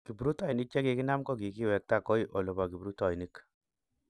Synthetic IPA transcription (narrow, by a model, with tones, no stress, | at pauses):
ki˨bu˨ɾu˦ta˦i˨ni˦k̚t͡ʃɛ˦ki˧ki˦na˦mkɔ˦k̬i˨ki˦wɛ˨k̚ta˦˨kɔ˦i˦ʔo˨lo˨ba˨ki˨bu˨ɾu˦tɔ˨i˨ni˦k